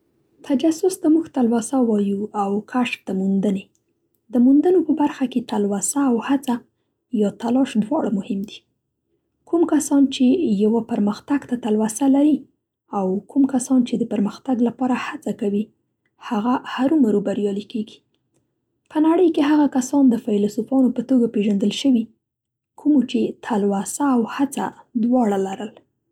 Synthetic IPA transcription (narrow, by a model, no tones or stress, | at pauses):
t̪ʰad͡ʒasʊsd̪amuxt̪alwasawɑjuawkʰaʃt̪amund̪əne | d̪əmund̪ənopəbaɾxaket̪alwasaːwhat͡sa | jɑt̪alɑʃd̪wɑɽmʊhɪmd̪i̥ | kumkasɑnt͡ʃejawapəɾməxt̪aɡt̪at̪alwasalaɾi | awkumkasɑnt͡ʃed̪əpəɾməxt̪aɡlapɑɾahat͡sakawi | haɣahaɾumaɾubaɾjɑlikeɡi̥ | pənaɽəjkeɦaɣakasɑnd̪əfajlsufɑnopət̪oɡapeʒand̪əlʃəwi | kʰumot͡ʃet̪ʰalwasaːwhat͡sa̰d̪wɑɽalaɾəl